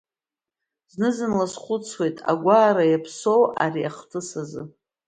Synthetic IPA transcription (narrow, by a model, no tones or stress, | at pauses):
znɨzɨnlasχʷʊt͡sʰwe̞jtʼa̰ɡʷaːɾajapʰso̞wa̰riaχtʰɨsazɨ